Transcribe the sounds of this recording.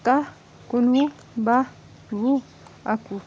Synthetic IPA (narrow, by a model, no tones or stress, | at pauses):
ka | kunu | ba | βu | aku